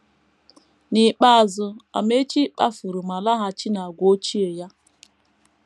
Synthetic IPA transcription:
ni˨k͡pa˦a˨zʊ˨a̰˨me˦t͡ʃi˦k͡pa̰˦fu˨ɾu˨ma˨la˦ɦa˨t͡ʃi˦na˨ɡʷo˦t͡ʃi˦e˨ja˦

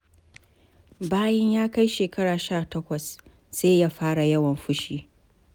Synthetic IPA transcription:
baː˦jɛ˦ɲjaː˦ka˦jʃeː˨kɐ˦ɽaː˨ʃaː˦˨tɐ˦kʷɐ˨s | seː˦jaː˦ɸaː˦ɽa˨jɐ˦wɐ˨mɸʊ˦ʃiː˦

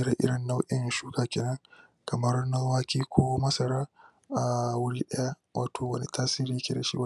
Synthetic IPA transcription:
ɾa˨ʔɪ̰˦ɽɪ˨nːa˦wʔɪ˦n˨ʃuː˦kaː˨kʲeː˨nɐ˦ŋ | kɐ˨mɐ˦rnɐ˦lwaː˦kʲiː˦kʷʰoː˦mɐ˦sɐ˨ɾaː˦ | ʔa˨wʊ˦lʔɛ˦ja˦ | wʔaː˦tʰoː˨wɐ˦ni˨taː˦siː˦ɾi˦jkʲe˨da˨ʃḭ˦w

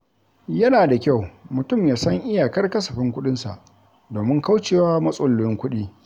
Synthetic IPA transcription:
jɐ˦naː˨da˨kʲa˦˨wmʊ˨tʊ˦˨mjaː˨sɐ˦ŋʔɪ˦jaː˨kɐ˦rkɐ˦sɐ˨ɸɪ˦ŋkʷʊ˦ɗɪ˦nsa˨ʔ | doː˨mɪ˦ŋka˦wt͡ʃeː˨waː˦mɐ˦sʼʊ˦˨lːʊ˦ɪ˦ŋkʷʊ˦ɗiː˦

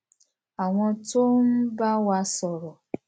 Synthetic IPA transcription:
a˨ŋʷɔ˦to˦m̩˦ba˦wa˦sɔ˨ɾɔ˨

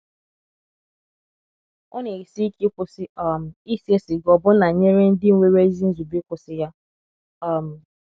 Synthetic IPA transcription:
ʊ˦ne˨i˨si˦ki˦kʷʊ˨sɪ˦ɔ˨m̩˨i˦si˦e˦sɪ˨ɡɔ˨bʊ˦na˨ɲe˦ɾe˦n̩˦dɪ˦ŋʷe˦ɾe˦zi˦n̩˦zu˨bi˦kʷʊ˨sɪ˦ja˦ | ɔ˨m̩˨

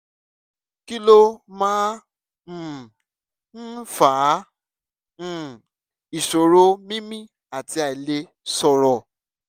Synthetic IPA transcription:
ki˦lo˦mãː˦˨ | n̩˦faː˨˦˨ | i˨ʃo˨ɾo˦mĩ˦mĩ˦˨ | a˨ti˧a˨i˨le˧ | sɔ˨ɾɔ˨

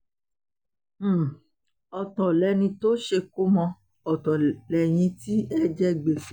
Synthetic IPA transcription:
m̩˦˨ | ɔ˧tɔ̃˨lɛ˨˧˦nĩ˧to˦ʃe˧ku˦mɔ̃˧ | ɔ˨tɔ̃˨lɛ˨j̃ĩ˧ti˦ɛ˦d͡ʒɛ˦ɡ͡be˨

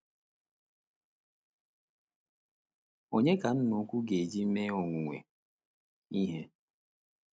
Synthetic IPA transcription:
o˨ɲe˦ka˨n̩˦nu˨˦kʷu˦ɡe˨d͡ʒi˦m̩˦me˦o˨ŋʷu˨ŋʷḛ˨ | i˦ɦe˦

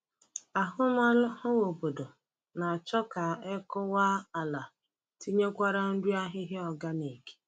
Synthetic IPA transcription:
a˨ɦʊ˦ma˦lʊ˦ʊ˦wo˨bo˨do˨ | na˨t͡ʃɔ˦ka˨ɛ˦kʊ˦wa˦a˨la˨ | ti˦ɲe˦kʷa˦ɾa˦n̩˦du˦a˦ɦɪ˦ɦe˦ɔ˨ɡa˦ne˨ke̥˦

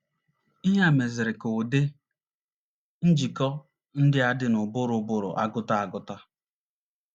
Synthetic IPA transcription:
i˦ɦa˦˨me˨zɪ˨ɾɪ˨kʊ˨dɪ˦ | n̩˦d͡ʒi˨kɔ˦ | n̩˦dɪ˦a˦dɪ˦nʊ˨bʊ˦ɾʊ˨bʊ˦ɾʊ̰˨ʔa̰˦ɡʊ˦ta˦a˨ɡʊ˦ta˦

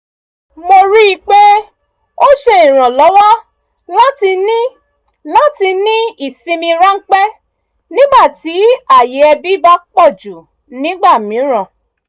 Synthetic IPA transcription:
mo˧ɾi˦i˧k͡pe˦ | o˦ʃe˧ĩ˨ɾ̃ã˨lɔ˨˦wa˦ | la˦ti˧nĩ˦ | la˦ti˧nĩ˦i˦˨sĩ˧mĩ˧ɾa˦ŋ̩˦k͡pɛ˦ | nĩ˦ɡ͡ba˦˨ti˨˦a˦˨je˨˦ɛ˧bi˦ba˦k͡pɔ˦˨d͡ʒu˨ | nĩ˦ɡ͡ba˦˨mĩ˨˦ɾ̃ã˦˨

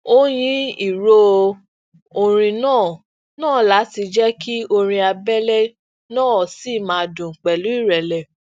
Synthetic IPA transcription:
o˦j̃ĩ˦i˦˨ɾo˦ | o˧ɾ̃ĩ˧nãː˦˨ | nãː˦˨la˨˦ti˧d͡ʒɛ˦ki˦o˧ɾ̃ĩ˧a˧bɛ˦lɛ˦ | nãː˦˨si˦˨mãː˧˦˧dũ˨ŋ̩˨k͡pɛ˨lu˨˦i˦˨ɾɛ˨lɛ˨

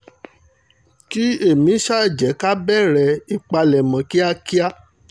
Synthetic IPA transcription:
ki˦e˦˨mĩ˨˦ʃa˦ɛ˨d͡ʒɛ˨˦ka˦bɛ˦˨ɾɛ˧i˧k͡pa˧lɛ˨mã˨ki˦a˦ki˦a˦

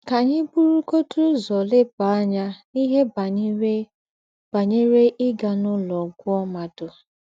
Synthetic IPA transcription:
ka˨ɲɪ˦bu˦ɾu˦ko˦tu˦zɔ˨lɪ˦pa˨a˦ɲa˦ni˦ɦe˦ba˨˦ | b̥a˨ɲe˦ɾe˦ʔɪ˦ɡa˨nʊ˦lɔ˨ɡʷʊ˦ɔ˦ma˨dʊ˨

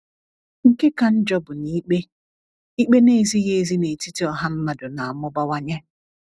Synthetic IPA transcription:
ŋ̩˦ke˦ka˨n̩˦d͡ʒɔ˦bʊ˨niː˦k͡pe˦ | i˦k͡pe˦ne˦˨zi˦ɣe˦˨zi˦ne˨ti˦ti˦ɔ˦ɦa˦m̩˦ma˨dʊ˨na˨a˨mʊ˦ba˦wa˦ɲe˦

